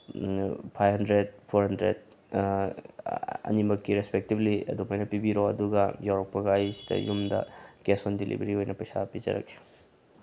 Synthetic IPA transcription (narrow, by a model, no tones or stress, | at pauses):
pʰajɦɐndɾed̚pʰoɾhɦɐndɾḛd̚ | ɐ̰nimɐkːiɾespek̚tibliɐ̰dumajnɐpibiɾoɐduɡɐjawɾɐk̚pɐɡɐɐjsi̥dɐ̰jumdɐ̰kesondilḭbɐɾiojnɐpɐjsapid͡ʒɐ̰ɾɐ̰kʰːe̥